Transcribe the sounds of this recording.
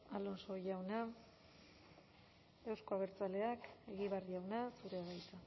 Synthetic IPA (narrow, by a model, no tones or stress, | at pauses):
alo̞nso̞ʝawna | e̞wsko̞aβ̞e̞ɾt͡sale̞ake̞ɣiβearjawnasuɾe̞aɣajt͡s̪a